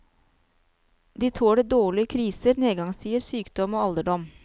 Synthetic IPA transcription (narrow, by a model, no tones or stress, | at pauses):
d̪iːt̪ʰoːɽeːd̪oːɭɪkʰɾiːsəɾneːɡɑŋst̪ʰiːəɾsyːkd̪ɔmoːɑld̪əɖɔm